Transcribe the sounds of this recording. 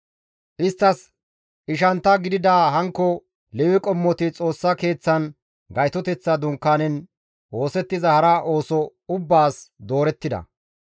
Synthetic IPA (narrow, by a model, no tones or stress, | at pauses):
ʔɪst̪ːɐs | ɪʃ̬ɐnt̪ːɐɡɪd̪ɪd̪aːɦɐŋkːɔ | lɛwɪkʼɔmːɔt̪ɪt͡sʼo̞ːsːɐke̞ːt͡sːɐn | ɡɐjt̪ɔt̪ɛt͡sːɐd̪ʊŋkːanɛn | o̞ːsɛt̪ːɪzɐhɐɾaʔo̞ːsɔʊbːaːsd̪o̞ːɾɛt̪ːɪd̪ɐ̰